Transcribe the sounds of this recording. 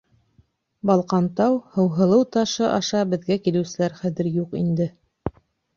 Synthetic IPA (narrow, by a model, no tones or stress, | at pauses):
bɑlˠqɑnt̪ɑwhɤ̆wɦɤ̆lˠɤwt̪ɑʃɤʔɑʃɑbɘ̆ðɡækilɘ̆wsɘ̆læɾχæðɘɾjuqḭnd̪ɘ